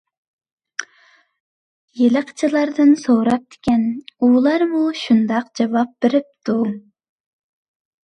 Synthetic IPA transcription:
jeləqʰt͡ʃʰɨlˠɑɾd̪ɨnsoɾɑp̚d̪̥e̥kʲɛnulˠɑɾmuʃund̪ɑqd͡ʒɑvɑp̚b̥eɾɪp̚t̪ʰu

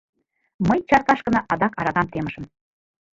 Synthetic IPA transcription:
mɤjt͡ɕɑrk̪ɑʃkɤ̆nɑʔɑd̪ɑkɑɾɑɣɑmt̪eməʃə̆m

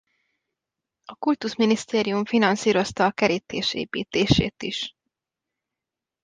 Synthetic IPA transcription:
ɒkult̪uʃminist̪eːɾijuɱfinɒnsiːɾo̞st̪ɒːkɛɾit̪eːʃḛːpḭːt̪eːʃḛːt̪iʃ

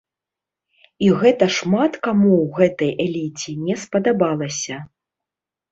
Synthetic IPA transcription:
iɣɛt̪ɐʂmat̪kamuwɣɛt̪ɐjɛlʲit͡sʲinʲɛspɐd̪abalˠɐsʲɐ

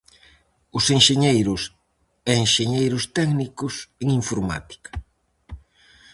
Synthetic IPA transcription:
ʊseŋʃeɲejɾʊs | ɛeŋʃeɲejɾʊst̪ɛknikʊseŋiɱfoɾma̰t̪i̥kɐ̥

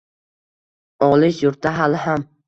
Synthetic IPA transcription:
ɒlˠɪʃjʊɾt̪aɦalɪɦam

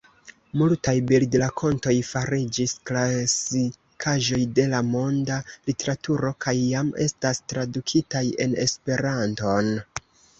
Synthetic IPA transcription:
multajbildlakʰo̞nto̞jfaɾid͡ʒisklasi | kʰaʒo̞jde̞lamo̞ndalite̞ɾatuɾo̞kʰajːame̞̰stastɾadukʰitaje̞̰ne̞̰spe̞ɾanto̞n

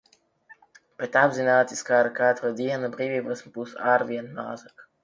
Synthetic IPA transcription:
pɾet̪abzinaːt̪ʲiskaːɾakaːt̪ɾod̪iɛnabɾiːvʲiːbɨsmbusaːɾvʲiɛnmaːzak

